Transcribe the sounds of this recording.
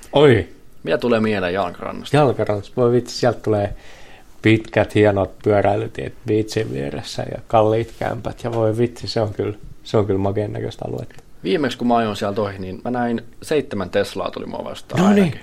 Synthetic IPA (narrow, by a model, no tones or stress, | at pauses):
oi | miæt̪ulemienejɑlkɑrɑ̰nːɑsjɑlkɑrɑnːɑst̪ʋoiʋit̪si̥siælt̪t̪uleː | pit̪kæt̪hiɑnot̪̚pyæræilyt̪iet̪ʋit̪siʋʋḭerḛsːæ̰jɑ̰kɑlːiːt̪kæ̰mpæt̪jɑʋoiʋit̪siseoŋkylseoŋkylmɑkenːæ̰kø̰st̪ɑ̰lṵḛt̪ːɑ̥ʋiːmekskumɑɑjonsiælt̪ohininmʔænæinseit̪ːemænt̪eslɑ̰ːt̪o̰lḭmṵɑ̰ʋɑ̰st̪ɑnoniːi